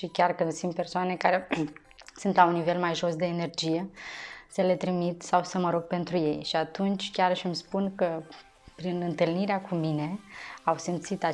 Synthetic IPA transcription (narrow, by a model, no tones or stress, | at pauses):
ʃikʲarkɨnd̪sint̪̚pe̞rsoane̞kaɾe̞ | sɨnt̪launːive̞lmajʒo̞sd̪e̞ːne̞rd͡ʒije̞səle̞t̪ɾimit̪sawsəməɾo̞ɡ̚pe̞nt̪ɾuje̞jʃiat̪unt͡ʃʲkʲarʃimspunkə | pɾinɨnt̪ɨlniɾeakumine̞awsimt̪sit̪a